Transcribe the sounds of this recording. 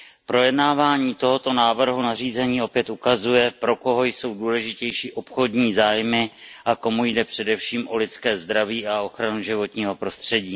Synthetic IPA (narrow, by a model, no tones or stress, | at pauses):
pɾo̞jɛdnaːvaːɲiːt̪o̞ɦo̞t̪o̞naːvr̩ɦunariːzɛɲiːo̞pjɛt̪ukazujɛpɾo̞ko̞ɦo̞jso̞wduːlɛʒɪcɛjʃiːʔo̞pxo̞dɲiːzaːjmɪʔako̞mujdɛpr̝̥ɛdɛfʃiːmʔo̞lɪt͡skɛːzd̪ɾaviːʔao̞xɾanuʒɪvo̞t̪ɲiːɦo̞pɾo̞st̪r̝̥ɛɟiː